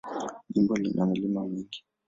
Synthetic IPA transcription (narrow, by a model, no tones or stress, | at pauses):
ʄimbɔlinʔamilimamiki̥